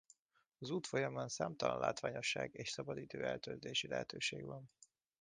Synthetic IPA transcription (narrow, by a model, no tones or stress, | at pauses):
ɒzuːt̪fo̞jɒmɒnsaːmt̪ɒlɒ̰nla̰ːt̪ʋaːɲo̞ʃːa̰ːɡeːʃsɒbɒd̪iːt̪øːɛlt̪ølzt̪eːʃilɛɦɛt̪øːʃeːɡʋɒn